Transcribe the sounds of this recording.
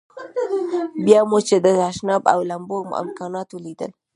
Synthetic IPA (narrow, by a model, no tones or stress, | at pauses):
bjɑmot͡ʃed̪əaʃnɑba̰wlamboɾm̰ɪ̰mkɑnɑt̪olid̪ə̰l